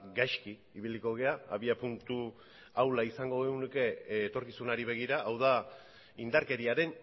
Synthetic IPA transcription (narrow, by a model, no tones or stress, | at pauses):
ɡajʃkiːβiliko̞ɣ̞e̞aa̰βiapunt̪u | awlaisaŋɡo̞ɣeɣunuke̞ːt̪o̞ɾkisunaɾiβ̞e̞ɣ̞iɾaʔːwða | ind̪aɾke̞ɾiaɾe̞n